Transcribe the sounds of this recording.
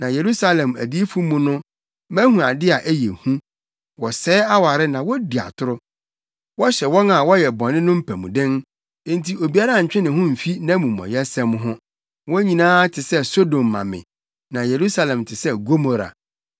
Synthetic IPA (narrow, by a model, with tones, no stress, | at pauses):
nã˨je˨ɾu˦sa˦lɛ̃˨mæ̰˨di˦fu˦mũ˨nʊ̃˦ | mæ̃˦hũ˨a˨dɪ˦a˨ʔæ˦je˨hũ˦ | wɔ˨sɛː˦a˦wa˨ɾɪ˦nã˨wɔ˦di˨a̰˨tʰʊ˦ɾʊ˦ | wɔ˦ɕɛ˨wɔ˦na˨wɔ˦jɛ˨bɔ̃˨nɪ̃˦nʊ̃˦m̩˦pʰæ˨mṵ̃˨dɪ̃˦ñ˦ | n̩tʰi˨o˨bi˨a˦ɾa˦˨ɲ̩˨t͡ɕᶣɪ̃˦nɪ̃˨ɦʊ̃˦m̩˨fi˦nã˦mũ˨mɔ̰̃˨jɛ˦sɛ̃˦m˦ɦʊ̃˦ | wɔ̃˦ɲĩ˨nãː˦tʰɪ˨sɛ˦so˦dõ˨mːã̰˨mɪ̰̃˨ | nã˨je˨ɾu˦sa˦lɛ̃˨mtʰɪ˨sɛ˦ɡo˦mo˦ɾa̰˨